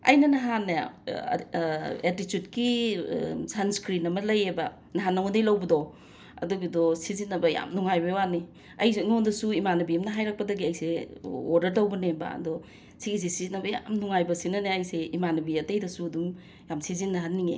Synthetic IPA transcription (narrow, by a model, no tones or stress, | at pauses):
ɐ̰jnɐnɐɦanːa̰ | atitjutki | sanskɾinɐmɐlɐjebɐ | nɐɦanːawŋdɐjlɐwbɐdɔ | ɐ̰duɡidɔsizinːɐbɐja̰mnuŋajbɐewani | ɐjnondɐsuimanɐbiɐmnɐɦajɾak̚pɐdɐɡiɐjseoɾdɐɾtawbɐnembɐ̰dɔ | siɡis̬esizinɐbɐja̰mnuŋajbɐsinɐneɐjseimanɐbiɐtɐjdɐsuɐdum | jamsizinːɐɦanːiŋḛ